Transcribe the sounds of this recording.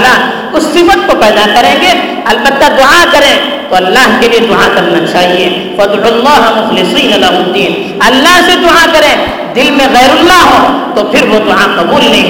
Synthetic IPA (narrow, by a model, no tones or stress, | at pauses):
laɦ | ʊsːɪfət̪̚kopɛːd̪akɐɾẽːɡe | ɐlbət̪ːad̪ʊʕakɐɾẽːt̪oɐlːaːɦkelied̪ʊʕakɐɾnat͡ʃaːɦie | fɐd̪ʕuɐlːaːɦɐmʊxlɪsiːnɐlɐɦoːt̪iɦɛ̃ː | ɐlːaːɦsed̪ʊakɐɾẽː | d̪ɪlmẽɣɛːɾʊlːaɦõːt̪opʰɪɾʋod̪ʊʕaqɐbuːlːẽːɡ